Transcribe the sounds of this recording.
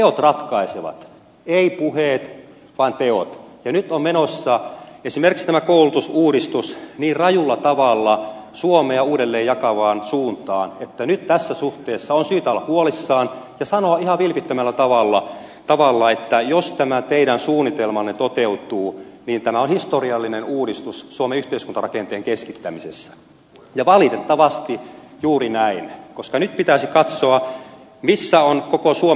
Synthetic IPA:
t̪eot̪rɑt̪kɑiseʋɑ̰t̪ | eipuheːt̪ | ʋɑint̪eo̰t̪jɑnyt̪ommenosːɑesimerkikst̪æmækoulut̪usuːɾist̪usniːrrɑjulːɑt̪ɑʋɑlːɑsuomeɑuːdelːeːjjɑkɑʋɑːnsuːnt̪ɑ̰ːnet̪ːænyt̪t̪æsːæsuht̪eːsːɑonsyːt̪ɑlːɑhuolisːɑːnjɑsɑnoɑihɑʋʋilpit̪ːømælːæt̪ɑʋɑlːɑ | t̪ɑʋɑlːɑet̪ːæjost̪æmæt̪eiɾænsuːnːit̪elmɑnːet̪ot̪eut̪uːniːnt̪æmæonhist̪oriɑlːinenuːɾist̪ussuomeyht̪eiskunt̪ɑrɑkent̪eːŋkeskit̪ːæmisḛsːæ̥ | jɑʋɑlit̪et̪ːɑʋɑst̪i | juːrinæinkoskɑnyt̪̚pit̪æsikɑt̪soɑ | misːæonkokosuo

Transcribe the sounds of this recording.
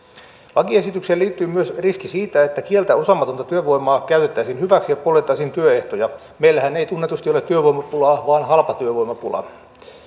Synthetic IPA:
lɑkiesit̪ykseːliːt̪ːyːmyøsriskisiːt̪æet̪ːækielt̪æosɑmːɑt̪ont̪ɑt̪yøʋo̞jmɑːkæyt̪et̪ːæisinhyʋæksijɑpolet̪ːˑɑsint̪yøeht̪ojɑ | meilːæhæneit̪unːet̪ust̪iolet̪ːyøʋoijmɑpulɑːʋɑːnhɑlpɑt̪yøʋo̞imɑpulɑ̰

